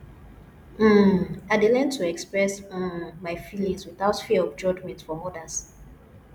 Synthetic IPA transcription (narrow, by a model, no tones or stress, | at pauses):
m̩aɪdelɛ̃ntʰːuɛkspɹɛs̩maɪfilĩŋswiθaʊtfiɔvd͡ʒɔd͡ʒmɛ̃ntfɔɔdas